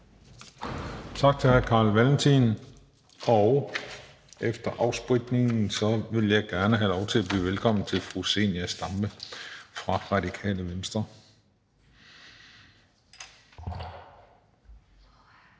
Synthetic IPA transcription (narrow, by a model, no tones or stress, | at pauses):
t͡sʰɑ̈ɡ̥̚t͡sʰe̝hæɐkʰɑ̈ːlʋælnt͡sʰin | ɒʊ | efd̥ɐʔɑ̈ʊsb̥ʁiɡ̥ne̝ŋn̩sɒ̽ʋe̝ljɑ̈ɪɡ̥æɐnəɦælɒʊt͡sʰe̝læb̥ly̰ːʋelkʰɒ̽m̰n̩t͡sʰe̝lfʁuse̝̰næsd̥ɑ̈mb̥əfʁɑ̈ʁɑ̈dikʰɛ̰ːləʋensd̥ʁɐ